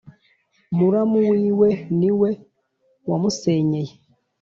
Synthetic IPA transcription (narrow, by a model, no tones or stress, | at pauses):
muɾamuwiːweniwe | wamuseːɲeje